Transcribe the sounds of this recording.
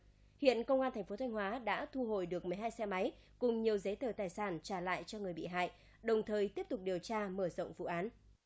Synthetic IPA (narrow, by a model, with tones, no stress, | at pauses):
hḭ˧˨ənkə˧wŋ͡mʔaː˧nt̪ʰɛ˨˩ŋ̟fo˨˦t̪ʰjŋ̟hwaː˨˦ɗa̰ː˧˥t̪ʰu˧ɦo̰˧˨jɗɨ˨˩ək̚mɨ˨˩əjɦaː˧jsɛ˧ma˨˦j | kʊ˨˩ŋ͡mɲi˨˩əwzə˨˦t̪əː˨˩t̪aː˨˩jsaː˧˩nt͡ɕaː˧˩la̰ː˧˨jt͡ɕɔ˧ŋɨ˨˩əjɓḭ˧˨ɦa̰ː˧˨j | ɗə˨˩wŋ͡mt̪ʰəː˨˩jt̪i˦˥əp̚t̪ʊ˨˩k͡p̚ɗi˨˩əwt͡ɕaː˧məː˧˩zə̰˧˨wŋ͡mvṵ˧˨ʔaː˨˦n